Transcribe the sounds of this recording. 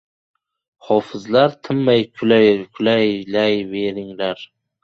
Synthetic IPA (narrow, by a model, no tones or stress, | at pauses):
hɒfɪzlaɾt̪ʰɪmːajʰkʰʊlajlajve̞ɾɪŋlaɾ